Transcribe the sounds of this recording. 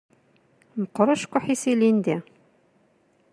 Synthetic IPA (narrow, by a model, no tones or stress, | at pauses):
məqːɾəʃkʷʊħisilind̪æ